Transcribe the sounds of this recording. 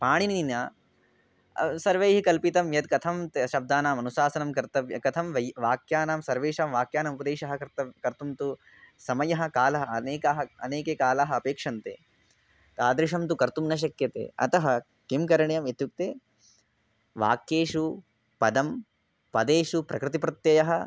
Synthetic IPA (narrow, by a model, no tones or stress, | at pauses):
paːɳiniinaː | sɐɾʋejɦikɐlpit̪ɐmjɐd̪̚kɐt̪ʰɐmt̪ʃɐb̚d̪aːnaːmɐnusaːsɐnɐmkɐɾt̪ɐʋjkɐt̪ʰɐmʋɐʋaːkjaːnaːmsɐɾʋeːʂaːmʋaːkjaːnɐmpɐd̪eːʃɐɦɐ̆ɐɾt̪ɐkɐɾt̪umt̪u | sɐmɐjɐɦɐ̆kaːlɐɦɐɐneːkaɦɐɐneːkekaːlaːɦɐɐpeːkʂɐnt̪ḛː | t̪aːd̪ɾiʂɐmt̪ukɐɾt̪umnɐʃ̬ɐkjɐt̪ḛːɐ̰t̪ɐɦɐ | kimkɐɾɐɳjɐmɐt̪juk̚t̪eː | ʋa̰ːkjeːʂu | pɐd̪ɐm | pɐd̪eːʂupɾɐkɾɪt̪ipɾɐt̪jɐjɐɦɐ